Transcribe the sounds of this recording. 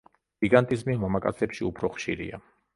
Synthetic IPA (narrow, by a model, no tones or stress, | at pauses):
ɡ̥iɡant̪ʼizmimamakʼa̰t̪sʰɛpʃiupʰɾɔχʃḭɾḭa̰